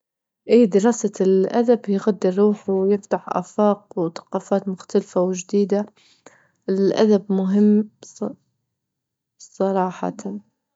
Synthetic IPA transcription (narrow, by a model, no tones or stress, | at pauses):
ʔiːd̪ɪɾˤɑːsalʔad̪abjɣad̪ːɪrˤːuːħwjɪft̪aħʔa̰ːfɑːqwθḁqɑːfaːt̪mʊxt̪alfawd͡ʒd̪iːd̪a | ʔɪlʔa̰d̪abmʊɦɪmː | sˤɑɾˤɑːħɑ̰t̪ʰan